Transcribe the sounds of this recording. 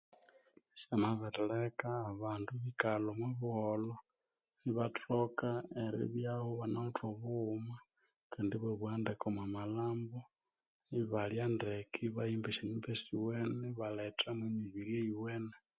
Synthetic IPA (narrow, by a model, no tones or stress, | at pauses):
samaβetelekaːβaːnduβikalomwuβuholo | iβatʰokaeɾḭβjahuβanautʰoβuma | kandiβeβwaːndekomamalaːmbo | iβaljandekʰiβajimbeʃinimbesiweneβaletʰamwemiβiɾieiweːne